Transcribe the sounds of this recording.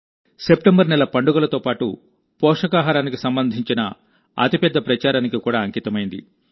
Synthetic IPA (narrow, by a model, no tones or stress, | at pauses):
se̞pʈembɐɾnɛlɐpɐɳɖuɡɐlɐt̪oːpaːʈṵ | pɔːʂɐkaːɦaɾaːnikisɐmbɐnd̪ʱiɲt͡ʃinɐ̰ | ɐ̰t̪ipɛd̪ːɐpɾɐt͡ʃaːɾaːnikikuːɽaːɐŋkiːt̪ɐmɐjind̪ḭ